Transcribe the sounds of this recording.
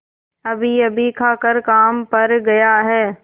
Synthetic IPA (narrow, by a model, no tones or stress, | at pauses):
ɐbʱiɐbʱikʰaːkəɾkaːmpɐɾɡɐjaɦɛː